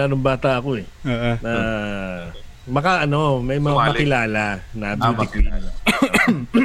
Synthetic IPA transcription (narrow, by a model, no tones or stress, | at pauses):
aːnʊŋbaːt̪ɐʔɐko̞ɛ | oːʔnɐ | mɐkaʔɐno̞mɐjmɐŋamɐkɪlaːlanaddɪki